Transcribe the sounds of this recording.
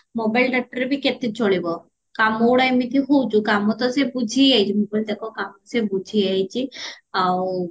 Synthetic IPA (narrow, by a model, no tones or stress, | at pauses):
mobajlʈək̚ʈəɾebʱiket̪et͡ʃoɭibɔ | kamoɽajmit̪ʰiɦout͡ʃʰukamɔt̪ɔsebud͡ʒʱiajt͡ʃʰimobajld̪ekʰɔkamɔsebud͡ʒʱiajt͡ʃʰi | aw